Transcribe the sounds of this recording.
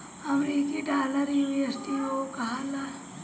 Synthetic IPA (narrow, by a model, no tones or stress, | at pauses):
ɐmɾiːkiɖaːləɾjuiesʈiokɐɦala